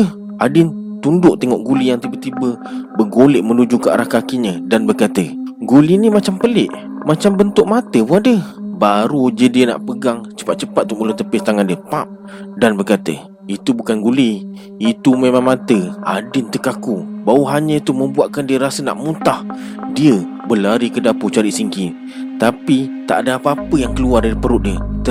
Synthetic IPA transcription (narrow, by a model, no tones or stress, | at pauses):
ə | ʔadɪnt̪undʊʔt̪eŋɔʔɡulijaŋt̪ibət̪ibəbəɡolɪʔməlud͡ʒuka̰ʔɾahkakiɲədanbərkat̪əɡulinimat͡ʃampəlɪʔ | mat͡ʃambənt̪ʊʔ̚mat̪əbuadəbaɾud͡ʒədiəna̰ʔpəɡaŋt͡ʃə̥pat̪̚t͡ʃəpat̪̚t̪ːumulot̪əpɪst̪aŋandiəpap̚ | danbərkat̪ə̰ | it̪ubukanɡuliː | t̪umemaŋmat̪əa̰dɪnt̪əkakubauɦaɲəit̪umə̃mbuaʔkandiəɾasəna̰ʔmut̪ah | diə | bəlaɾikədaput͡ʃaɾiʔsiŋki | t̪apit̪a̰ʔadaapəapəjaŋkəluardaɾipəɾʊʔ̪̚diət̪ə